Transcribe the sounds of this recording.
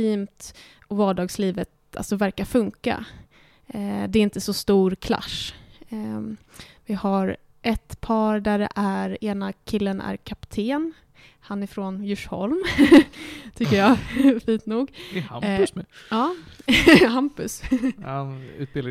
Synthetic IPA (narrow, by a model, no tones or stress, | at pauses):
iːmt̪ | ɔvɑːɖɑːɡsliːvət̪ | a̰lsɔvæɾkafɵŋka̰ | d̪ɛɪnt̪əsɔst̪uːɾkʰla̰ʂ | vɪhaɾ | ʔɛt̪pʰɑːɾɖæɖɛ̰ʔæɾeːnakʰɪlːənʔæ̰ɾkʰapt̪ʰeːn | hanɪfɾonjɵʂhɔ̰lm | t̪ʰʏkːəjɑfiːnt̪nuːɡɛhamsɛɑː | hampɵshanʉ̟ːt̪b̥ɪl